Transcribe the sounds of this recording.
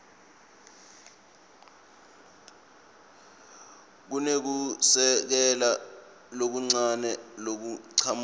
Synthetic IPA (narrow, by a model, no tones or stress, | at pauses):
k̬unek̬usɛk̬ɛla | lok̬uŋ͡ǀanɛlok̬uǀʰam